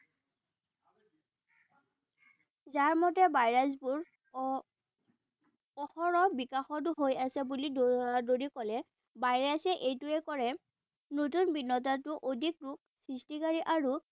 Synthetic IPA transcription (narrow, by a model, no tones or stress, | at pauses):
zaɹmɔtɛbajɹas̬buɹ | ɔxɔɹɔbikaxɔt̬ʊɦojasɛbulidoɹikɔlɛ | bajɹasɛʔejtʊɛkɔɹɛ | notunbinːɔtatʊʔodʱikɹuk̚ | sɹistikaɹiʔaɹu